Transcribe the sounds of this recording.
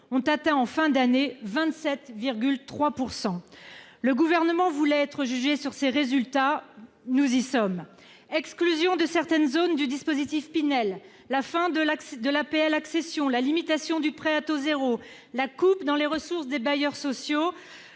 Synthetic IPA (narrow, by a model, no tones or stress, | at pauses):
ɔ̃t̪at̪ɛ̃ɑ̃fɛ̃d̪anevɛ̃t̪sɛt̪viʁɡʲylt̪χwapuʁsɑ̃ləɡuvɛʁnəmɑ̃vulɛːt̪χəʒyʒesyʁseʁezylt̪a | nuzisɔm | ɛksklyzjɔ̃d̪əsɛʁt̪ɛnzond̪yd̪ispozit̪ifpinɛlː | afɛ̃d̪əlakd̪əlapeɛlaksesjɔ̃lalimit̪asjɔ̃d̪ypχeat̪ozeʁo | lakupd̪ɑ̃leʁəsuʁsd̪ebajœʁsɔsjo